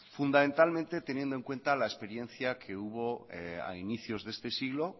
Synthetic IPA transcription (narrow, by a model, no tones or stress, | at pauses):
fund̪amẽnt̪almẽnt̪e̞t̪e̞njend̪oe̞ŋkwe̞nt̪alaespe̞ɾjẽ̞nθjakʰeuβ̞o̞ea̰iniθjo̞zðe̞st̪e̞siɣlo̞